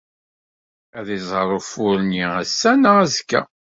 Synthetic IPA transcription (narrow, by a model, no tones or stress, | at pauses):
æðizˤəɾˤʊfʊɾniæsːænəæzkːæ̰